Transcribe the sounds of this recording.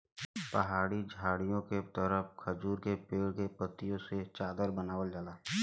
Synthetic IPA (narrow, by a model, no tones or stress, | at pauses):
pɐɦaːɽid͡ʒʱaːɽijõket̪əɾəpkʰəd͡ʒuːɾkepeːɽkepət̪ːijõset͡ʃaːd̪əɾbənaːʋəld͡ʒaːlaː